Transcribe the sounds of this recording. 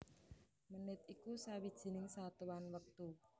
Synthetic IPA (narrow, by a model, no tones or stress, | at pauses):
mənɪt̪̚ikusawid̥ʒ̥i̤nɪŋsat̪uwanwək̚t̪u